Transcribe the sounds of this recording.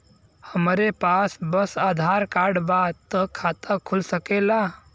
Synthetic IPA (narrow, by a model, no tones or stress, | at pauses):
həmɾepasbəsaːd̪ʱaɾkaɾɖbat̪əkʰat̪əkʰulsəkela